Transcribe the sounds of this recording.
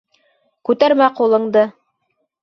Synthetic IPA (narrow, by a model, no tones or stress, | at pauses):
kʉt̪æɾmæqulˠɤ̆ɴd̪ɤ